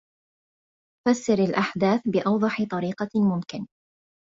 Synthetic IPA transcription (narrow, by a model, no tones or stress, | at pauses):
fasːɪɾalʔaħd̪aːθbɪʔɑwd̪ˤɑħɪt̪ˤɑɾiːqɑmʊmkɪn